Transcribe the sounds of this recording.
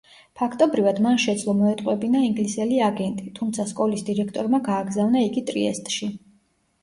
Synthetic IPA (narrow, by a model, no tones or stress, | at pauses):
pʰakʰt̪ʼɔbɾivad̪manʃɛd̪zlˠɔmɔɛt̪ʼqʼwɛbinaiŋɡlisɛliaɡɛnt̪ʼit̪ʰumt̪sʰaskʼɔlisd̪iɾɛkʰt̪ʼɔɾmaɡaːɡzavnaiɡit̪ʼɾiɛst̪ʼʃi